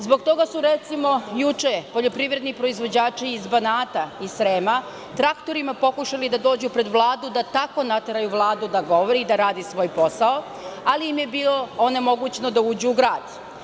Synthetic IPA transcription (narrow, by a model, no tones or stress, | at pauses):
zbo̞ɡt̪o̞ɡasuɾet̪simo̞jut͡ʃepo̞ʎo̞pɾiʋɾe̞d̪nipɾo̞izʋo̞d͡ʑaːt͡ʃiːzbanaːt̪aisɾeːma | t̪ɾakt̪o̞ɾimapo̞kuʃalid̪ad̪o̞ːd͡ʑupɾe̞d̪ʋlˠaːd̪ud̪at̪ako̞nat̪eɾajuʋlˠaːd̪ud̪aɡo̞ʋoɾiid̪aɾaːd̪isʋo̞ːjpo̞sao | aliimje̞biːloone̞mo̞ɡut͡ɕnod̪auːd͡ʑuːɡɾaːd̪̥